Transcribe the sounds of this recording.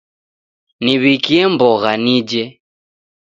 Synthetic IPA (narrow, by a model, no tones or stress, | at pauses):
niβikiɛmbɔɣanid͡ʒɛ